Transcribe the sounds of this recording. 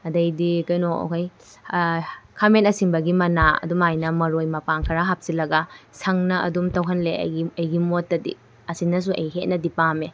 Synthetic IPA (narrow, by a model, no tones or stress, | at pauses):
ɐdɐjdikɐjno̰kʰaj | kʰamentɐsiŋbɐɡimɐnaɐ̰dumajnɐmɐɾojmɐpaŋkʰɐɾaɦap̚silɐɡɐsʰɐŋnɐɐ̰dumtɐwɦɐnlḛɐjɡimotːɐdḭ | ɐsinːɐs̬uɐ̰jɦet̚nɐdipame